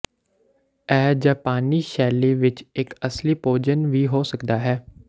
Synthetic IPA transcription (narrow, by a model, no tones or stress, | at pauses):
ɛːd͡ʒaːpaːniːʃɛːleːʋɪt͡ʃɪkəsliːpoːd͡ʒənʋiːɦoːsəkd̪aːɦɛː